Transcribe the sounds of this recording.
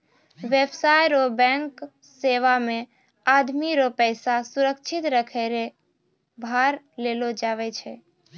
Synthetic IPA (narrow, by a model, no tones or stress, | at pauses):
ʋebsajɾobɛ̃ŋk | seʋamẽ | ad̪miɾopəjsasuɾəkt͡ʃʰit̪ɾəkʰɛɾe | bʱaɾ | lelod͡ʒaβɛt͡ʃʰɛ